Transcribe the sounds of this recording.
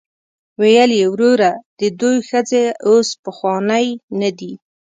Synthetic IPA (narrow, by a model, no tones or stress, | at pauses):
wejəljewɾoɾad̪̥əd̪ojxəd͡zeospəxwɑnəjnad̪i